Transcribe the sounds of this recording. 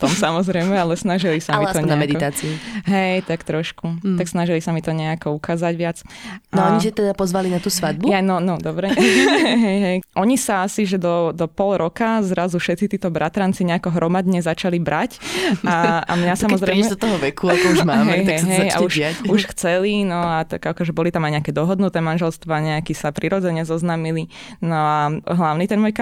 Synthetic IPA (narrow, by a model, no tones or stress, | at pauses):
t̪ɔmsamɔzɾɛjmɛalɛsnaʒilisamiɔɲɛamɛd̪it̪aːt͡siuɦɛjt̪akt̪ɾɔʃkut̪aksnaʒilisamit̪ɔɲɛakɔukaːzaɟʋɪat͡sanɔaɲiʒɛt̪ɛd̪apɔzʋalinat̪uːsʋad̪̚buanɔnɔd̪ɔbɾɛɦɛjɦɛjʔɔɲisaasiʒɛd̪ɔd̪ɔpɔlɾɔkazɾazufʃɛt̪t͡sit̪iːt̪ɔbɾʔat̪ɾant͡siɲɛakɔɦɾʔɔmad̪ɲɛzat͡ʃalibɾacaa̰mɲasamɔzɾɛɛjmɛd̪t̪ɔɦɔʋɛkʰuakɔuʒmamɦɛɛjɦ̪aɛjɦɛja̰uʃɪauʃxt͡sɛlinɔat̪akakɔʒɛbɔlit̪amajɲɛakɛːd̪ɔɦɔd̪nut̪ɛmanʒɛlst̪ʋaɲɛakisapɾiɾɔd͡zɛɲɛzɔznaːmilinɔaɦlaʊnit̪ɛnmɔːjka